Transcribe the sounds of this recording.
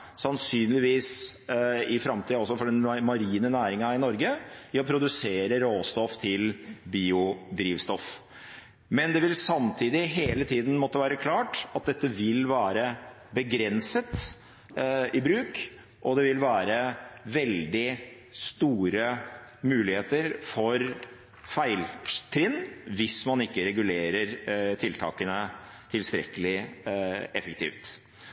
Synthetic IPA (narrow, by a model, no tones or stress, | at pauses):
sɑnsyːnlɪʋiːs | ɪfɾɑmt̪ʰiːɔsːɔfɔɖɛnmɑɾiːnənæːɾɪŋɑɪnɔɾɡəɪɔpʰɾʊd̪ʉseːɾəɾoːst̪ɔft̪ʰɪlbiːʊd̪ɾiːʋst̪ɔf | mɛnd̪ɛʋɪlsɑmt̪ʰiːd̪ɪɦeːlət̪ʰiːd̪n̩mɔt̪ːəʋæːɾəkʰlɑːʈɑt̪̚d̪ɛt̪ːəʋɪlʋæːɾə | bəɡɾɛnsət̪ | ɪbɾʉːk | ʔɔd̪ɛʋɪlʋæːɾəʋɛld̪ɪ | st̪uːɾəmʉːlɪheːt̪əɾfɔɾ | fæɪlt̪ʰɾɪnːʋɪsmɑnɪkːəɾɛɡʉleːɾəɾt̪ʰɪlt̪ʰɑ̰ːkənə | t̪ʰɪlst̪ɾɛ̰kəlɪ | ɛfək̚t̪ʰḭːft̪